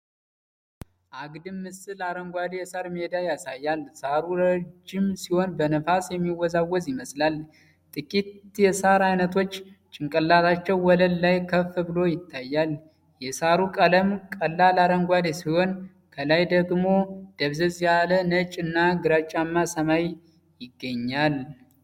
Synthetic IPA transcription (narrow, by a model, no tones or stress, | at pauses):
ʔaɡd̪ɨmːɨsɨlaɾəŋɡʷad̪ejɛsaɾmed̪ajasajːalsaɾuɾəd͡ʒːɪmsiho̞nbənəfasjɛmːiwɔzawːɔzjɪməslal | t̪ʼɨkʼit̪jɛsaɾajnət̪ʰo̞t͡ʃːt͡ʃʼɪŋkʼəlːat̪ʰat͡ʃːɛwːɔləllajkʰəfɨbɨlo̞jɪt̪ʰːajːal | jɛsaɾukʼələmkʼəlːalaɾəŋɡʷalesiho̞n | kʰəlajd̪əɡmo̞d̪̥əβzəzjalənət͡ʃʼɨnːaɡɨɾat͡ʃʼːamːasəmaj | jɪɡːəɲːal